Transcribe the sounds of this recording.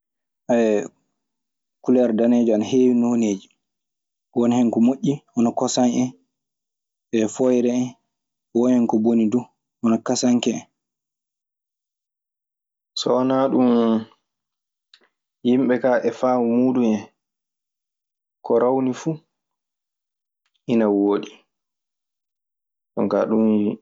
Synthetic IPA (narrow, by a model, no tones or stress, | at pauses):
ʔawɛ | kulɛɾdaned͡ʒɔanaheːwinoːneːd͡ʒi | wɔnhɛŋkɔmoʔʲːiʔɔnakɔsaŋɛn | ɛfɔjɾɛɛn | wɔnhɛŋkɔbonidu | hɔnakasaŋkɛɛn | sɔanaɗum | jimɓɛkaːʔɛfaːmmuːɗuɛ | kʰɔɾawnifu | ʔinawoːɗi | ɗɔ̰ŋka̰ɗumi